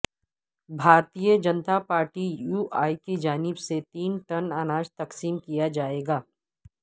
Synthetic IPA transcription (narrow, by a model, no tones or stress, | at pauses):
bʱaːɾt̪ijəd͡ʒɐnt̪apaːɾʈijuːʔaːiked͡ʒaːnɪbset̪iːnʈɐnanaːd͡ʒt̪ɐksiːmkijad͡ʒaːeːɡaː